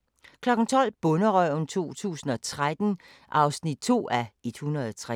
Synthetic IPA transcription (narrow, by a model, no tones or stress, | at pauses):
kʰlɒ̽ɡ̥n̩t͡sʰɒ̽l̰b̥ɔ̽nəʁœ̰nt͡sʰo̝̰ːt͡sʰṵːsn̩ɒ̽t͡sʰʁad̥n̩ | ʔɑ̈ʊsnid̥̚t͡sʰo̝̰ːæed̥hunʁɐðˠɒt͡sʰʁa